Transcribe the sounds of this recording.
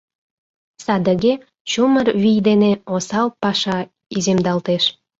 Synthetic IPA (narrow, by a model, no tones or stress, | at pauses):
sɑd̪əɡʲe | t͡ɕumərβijd̪eneosɑlpɑʃɑ | izemd̪ɑlt̪eʃ